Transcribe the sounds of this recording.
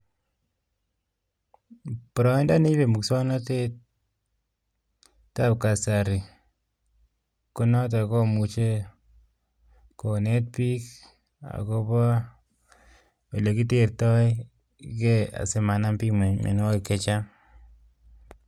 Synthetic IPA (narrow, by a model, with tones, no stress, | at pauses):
pɔ˨ɾɔ˦nda˦ni˦be˨mu˨ksɔ˦nɔ˦te˦t | tːa˦p̚ka˨sa˨ɾi˨ | ku˦nɔ˦t̬a˨kɔ˦mu˨t͡ʃe˦ | ko˨ne˦t̚pi˦k | a̰˨ko˦pɔ˦ | wɔ˨le˨ki˦te˦rtɔ˦j | ke˦a̰˨se˨ma˨na˦mpi˦me˨ɲmḛ˨n˦wa˦kke˦t͡ʃa˦